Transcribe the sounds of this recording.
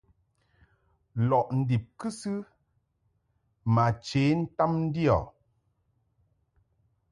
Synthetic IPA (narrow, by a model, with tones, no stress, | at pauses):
lɔ˨ʔn̩˨di˨p̚kɨ˦sɨ˦ | ma˨t͡ʃe˨˦n̩˦ta˦mn̩˦di˦ɔ̰˨